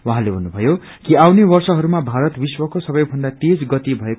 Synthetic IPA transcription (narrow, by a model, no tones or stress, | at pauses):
waɦãlebʱʌnːubʱʌjo | kiawnebʌrsʌɦʌɾumabʱaɾʌt̪biswʌkosʌbʌjbʱʌnd̪at̪ed͡zɡʌt̪ibʱʌek